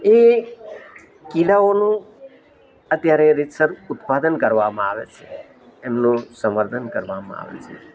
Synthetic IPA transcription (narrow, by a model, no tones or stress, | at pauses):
e | kiɽaonũ | ət̪jaɾeɾisəɾut̪pad̪ənkəɾʋamãaʋḛt͡ʃʰe | ɛmnũsəməɾt̪ʰənkəɾʋamã̰a̰ʋḛt͡ʃʰe